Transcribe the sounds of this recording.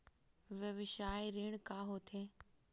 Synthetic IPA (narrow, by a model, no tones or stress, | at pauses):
ʋjɐʋɪʃaːiɾiːɽ̃kaːɦoːt̪ʰeː